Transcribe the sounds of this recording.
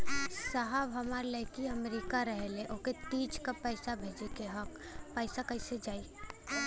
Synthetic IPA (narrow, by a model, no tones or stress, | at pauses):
saɦabɦəmaɾləjkiəmɾikaɾəɦeleʔoːket̪iːt͡ʃkapəɪsabʱeːd͡ʒekeɦək | pəɪsakəɪsed͡ʒaːi